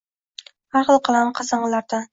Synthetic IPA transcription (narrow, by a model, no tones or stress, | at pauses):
haɾqlˠqʰɑlˠanqʰɑsɑɴɨlaɾd̪an